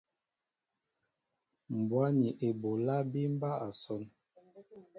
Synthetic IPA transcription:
m̩˨bwa˦ni˨ʔe˨bo˨la˦bi˦m̩˦ba˦a˨sɔ˦n

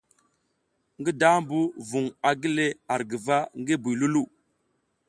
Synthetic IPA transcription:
ŋɡi˦da˦mbu˦vu˨ŋa˨ɡi˦le˦a˨ɾɡi˨va˦ŋɡe˦bu˨jlu˦lu˦˨

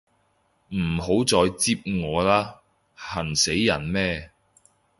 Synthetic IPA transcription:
m̩˨˩ho˨˥wt͡sɔː˧jt͡siː˥p̚ŋɔː˨˧laː˥ | hɐ˨˩nse˨˥jːɐ˨˩nmɛː˥

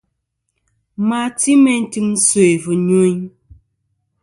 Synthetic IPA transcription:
ma˨ti˦mɛ˦n̩˦ti˦mn̩˦so˨e˨vu˨ɲo˦ɲ

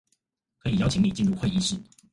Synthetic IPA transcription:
kʰɤ˧˥i˨˩jɑ˥˧t͡ɕʰi˧˥ŋli˨˩t͡ɕi˥˧nɻu˥˧xwe˥˧ɪi˥˧ʂɻ̩˥˩

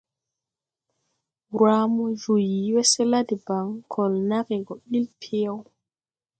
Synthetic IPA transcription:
ɾa˦mɔ˦d͡ʒu˨ji˨wɛ˦sɛ˦la˦di˨ba˨ŋkʰɔ˨lna˦kɛ˨ɡɔ˨ɓi˦lpʰe˦a˦w

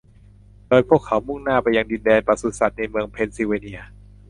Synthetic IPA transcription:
doː˧jpʰu˥˩əkʰːa˩˦wmu˥˩ŋnaː˥˩pa˧jːa˧ŋdi˧ndɛː˧npa˧su˨˧sa˨˩t̪̚na˧jmɯ˧əŋpʰe˧nsi˧weː˧ni˧˥ɐ

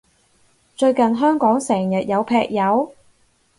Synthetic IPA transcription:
t͡ʃɵ˧ɥkɐ˨nɦœː˥ŋkɔː˨˥ŋsɛː˨˩ŋjɐ˨t̚jɐ˨˧wpʰɛː˧k̚jɐ˨˧w

